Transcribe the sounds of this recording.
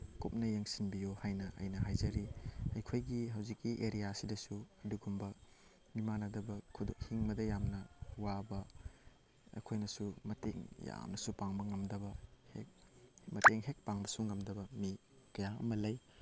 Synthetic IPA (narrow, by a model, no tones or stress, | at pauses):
kup̚nɐjeŋsinbijohajnɐʔɐ̰jnɐɦajzɐɾiɐjkʰojɡiɦɐwzikːiʔeɾijasidɐsuɐduɡumbɐ | mimanɐdɐbɐkʰudoŋhiŋmɐdɐjamnɐwabɐ | ɐ̰kʰojnɐsumɐtḛŋja̰mnɐsupaŋbɐŋɐmdɐbɐhemɐteŋɦek̚paŋbɐsuŋɐmdɐbɐmi | kɐjaɐ̰mɐlɐj